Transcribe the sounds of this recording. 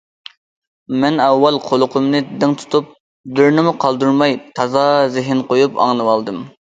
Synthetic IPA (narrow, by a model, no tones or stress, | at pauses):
mɛnɛwːɑlˠqʰolˠʊqʰʊmnɨd̪ɪŋt̪ʰu̥t̪ʰup̚ | d̪øɾnɪmuqʰɑlˠd̪uɾmɑjt̪ʰɑzɑzɪɦɪnqʰojupɑ̰ŋnɨwɑlˠd̪ɨm